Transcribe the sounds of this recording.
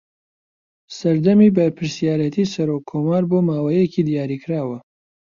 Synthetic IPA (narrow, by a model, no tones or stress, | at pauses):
sɐɾd̪ɐmiːbɐɾpʰɨɾsijaːɾɛt̪ʰiːsɐɾokʰːoːmaːɾboːmaːwajeciːd̪ijaːɾiːkʰɾaːwɐ